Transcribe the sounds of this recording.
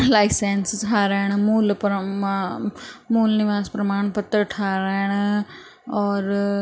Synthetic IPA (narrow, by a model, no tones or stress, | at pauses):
laːɪseːnstʰaːɾɛːɽ̃muːlp | muːlnɪʋaːspɾɐmaːɳ̃pət̪ːəɾʈʰaːɾɛːɽ̃ | ɔːɾ